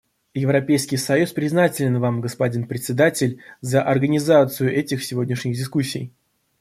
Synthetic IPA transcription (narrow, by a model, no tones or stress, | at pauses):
jɪvɾɐpʲejskʲɪjsɐjuspɾʲɪznatʲɪlʲɪnvamɡəspɐdʲinpɾʲɪt̪ʲsʲɪd̪atʲɪlʲzəʔɐrɡənʲɪzat̪sɨjʊʔɛtʲɪxsʲɪvo̞dʲnʲɪʂnʲɪɣdʲɪskusʲːɪ̰j